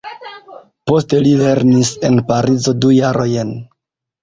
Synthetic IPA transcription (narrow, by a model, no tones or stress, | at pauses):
po̞ste̞lile̞ɾnise̞npaɾizo̞dujaɾʔo̞jen